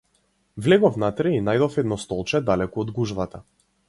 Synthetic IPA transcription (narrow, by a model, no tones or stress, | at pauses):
vlɛɡɔfnat̪ɾɛinajd̪ɔfɛd̪nɔst̪ɔlˠt͡ʃɛd̪alɛkuɔd̪ɡuʒvat̪a